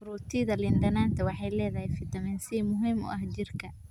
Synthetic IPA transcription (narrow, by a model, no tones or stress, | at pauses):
ʊɾuːt̪ʰɪðɐlɪnd̪ɐnaːnt̪ʰɐwɑħɑjlɛːðɐhɛjfɪt̪ʰɐmɛːnsɪmʊɦiːmʊ̰ʔɐhd͡ʒɪrkʰɐ